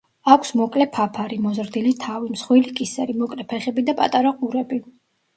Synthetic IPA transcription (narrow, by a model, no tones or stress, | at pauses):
akʷʰsmɔkʼlɛpʰapʰaɾimɔzɾd̪ilit̪ʰavimsχwilikʼisɛɾimɔkʼlɛpʰɛχɛbid̪apʼa̰t̪ʼaɾaqʼuɾɛbi